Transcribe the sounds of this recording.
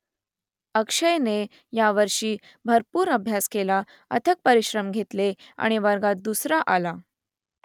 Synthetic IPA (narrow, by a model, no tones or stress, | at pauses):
əkʂəjne | jaʋəɾʂiː | bʱəɾpuːɾəbʱjaskela | ə̰t̪ʰək̚pəɾiɕɾəmɡʱet̪lea̰ɽ̃iʋəɾɡat̪̚d̪usɾaʔala